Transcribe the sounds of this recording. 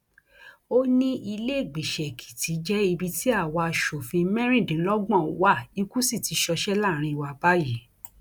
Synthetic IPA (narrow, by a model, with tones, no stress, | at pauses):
o˦nĩ˦ʔi˧le˦˨ɡ͡bi˨ʃɛ˨kʰi̥˨ti˨˦d͡ʒɛ˦i˧bi˧ti˦a˦˨wa˧a˧ʃo˨fĩ˧mɛ̃˦ɾ̃ĩ˦˨dĩ˨˦lɔ˦ɡ͡bɔ̃˦˨˦wa˦˨i˧ku˦si˦˨ti˨˧˦ʃɔ˧ʃɛ˦la˦˨ɾ̃ĩ˧i˧wa˧ba˦ji˨˦